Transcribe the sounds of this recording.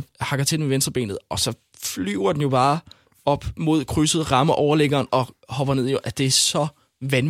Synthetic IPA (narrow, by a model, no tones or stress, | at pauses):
hɑ̈ɡ̥ɐt͡sʰe̝d̥emeʋensd̥ʁɐb̥ḛːnð̞̩ˠɒ̽sɒ̽ | flyʊɐd̥enjo̝b̥ɑ̈ː | ɒ̽b̥mo̝ð̞̰ˠkʰʁysəð̞̩ˠʁɑ̈mɐʔɒʊɐleɡ̥ɐːnɒ̽hɒ̽b̥ɐne̝ð̰ˠjo̝ʔæd̥e̝æsɒ̽ | ʋæn